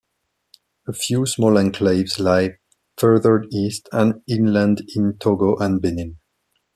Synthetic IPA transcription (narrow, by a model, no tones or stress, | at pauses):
əfjusmɔlə̃nkʰleɪvzlaɪ | fɜ˞ðə˞istʰə̃nɪ̃nlə̃ndɪ̃ntʰoɡoʔə̃nbɪnɪ̃n